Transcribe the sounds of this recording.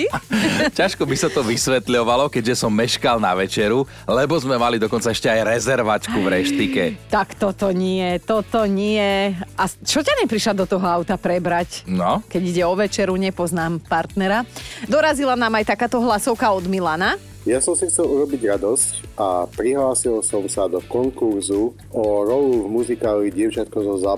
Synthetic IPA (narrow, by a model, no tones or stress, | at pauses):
caʃkɔbisat̪ɔʋisʋɛt̪ʎɔʋalɔkɛʒɛsɔmːɛʃkalˠna̰ʋɛt͡ʃɛɾu | lɛbɔzmɛmalid̪ɔkɔnt͡saɛʃcɛajɾɛzɛɾʋat͡ʃkuvɾɛʃt̪ikɛ̰t̪akt̪ɔt̪ɔɲɪɛt̪ɔt̪ɔɲɪɛʔat͡ʃɔcaɲɛpɾiʃlad̪ɔt̪ɔɦɔaʊt̪apɾɛbɾacnɔkɛɟiɟɛɔʋɛt͡ʃɛɾuɲɛpɔznaːmpaɾt̪nɛɾad̪ɔɾazilanaːmajt̪akaːt̪ɔɦlasɔʊkaɔd̪milana | jasɔmsixt͡sɛluɾɔbiɟɾad̪ɔscapɾiɦlaːsilsɔmsad̪ɔkɔŋkuɾzu | ɔɾɔluvmuzikaːliɟɪɛʊt͡ʃat̪̚kɔzɔza